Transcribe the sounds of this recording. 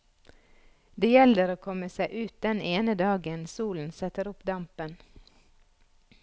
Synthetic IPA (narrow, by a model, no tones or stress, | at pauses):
d̪eːjɛləɾoːkʰɔməsæɪʔʉːt̪̚d̪ɛneːnəd̪ɑːɡənsuːln̩sɛt̪əɾʊpd̪ɑmpən